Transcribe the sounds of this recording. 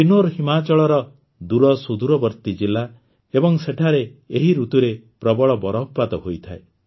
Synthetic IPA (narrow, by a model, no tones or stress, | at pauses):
pinoɾɦimat͡ʃɔɭɔɾɔ | d̪uɾɔsud̪uɾɔbɔɾt̪id͡ʒilːa | ebɔŋseʈʰaɾeeɦiɾut̪uɾepɾɔbɔɭɔbɔɾɔppat̪ɔɦojt̪ʰae